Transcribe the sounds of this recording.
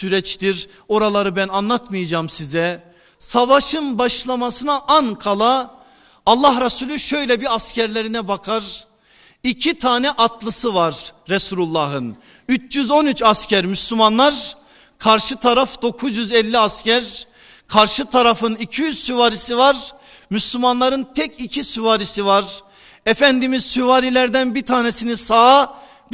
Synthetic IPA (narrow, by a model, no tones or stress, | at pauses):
syɾɛt͡ʃt̪iɾ | o̞ɾalˠaɾɯbænanlˠat̪mɯjad͡ʒaːmsizɛ | savaʃɯnbaʃlˠamasɯnaʔankʰalˠaː | lˠːaɦɾasuːlʲyʃø̞jlʲɛbiɾascæɾlʲeɾinɛbakʰaɾ | icʰit̪ʰaːnɛʔat̪ʰlˠɯsɯvaɾːɛsuːlulˠːaːɦɯn | yt͡ʃjyzo̞nyt͡ʃascæɾmyslʲymanlˠaɾ | kʰaɾʃɯt̪ʰaɾafd̪̥o̞kʰuzjyzɛlʲːiascæɾ | kʰaɾʃɯt̪ʰaɾafɯnicʰijyz̥syvaːɾisivaɾ | myslʲymanlˠaɾɯnt̪ʰɛcʰicʰisyvaːɾisivaɾ | ɛfænd̪imizsyvaːɾilʲæɾd̪ænbit̪ʰaːnesinisaː | b